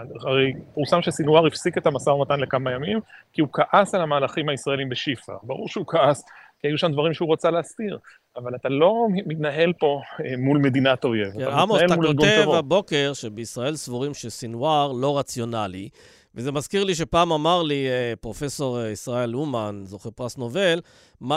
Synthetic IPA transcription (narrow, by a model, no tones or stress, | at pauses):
aʁejpuʁsamʃesinuaʁifsiket̪amasaʁnat̪anlekamajamimkiukaʔasalamaːlaχimhaisʁaelimbeʃifa̰baʁṵʁʃeukaʔaskiajuʃamd̪vaʁimʃeuʁot͡saleastiʁ | avalat̪alo̞mit̪naɦe̞lpo̞emulme̞d̪inat̪ojevaaamoet̪amuloɡut̪evhabo̞ke̞ʁʃebeisʁae̞lsvuʁimʃesinwaʁlo̞ʁat͡sjo̞nali | veze̞mazkiʁliʃ̬e̞paːmamaʁlipʁo̞fe̞so̞ʁisʁae̞lumanzo̞χeʁpʁasno̞ve̞l | ma